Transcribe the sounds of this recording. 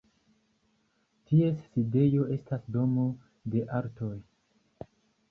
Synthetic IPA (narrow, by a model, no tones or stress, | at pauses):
tie̞sːide̞jo̞e̞stasdo̞mo̞ | de̞ʔaɾto̞j